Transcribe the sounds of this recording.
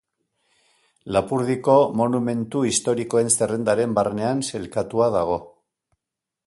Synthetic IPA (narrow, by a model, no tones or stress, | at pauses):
lapuɾðiko̞mo̞nume̞nt̪uist̪o̞ɾiko̞e̞nse̞re̞nd̪aɾe̞mbarne̞anse̞lkat̪uaðaɣ̞o̞